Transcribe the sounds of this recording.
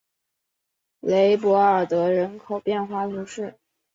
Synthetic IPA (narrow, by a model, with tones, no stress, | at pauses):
le˧˥ɪp̬wɔ˧˥ə˞˨˩t̪ɤ˧˥ɻə˧˥nkʰo˨˩ʊpjɛ˥˧nxwa˥˩t̪ʰu˧˥ʂɻ̩˥˩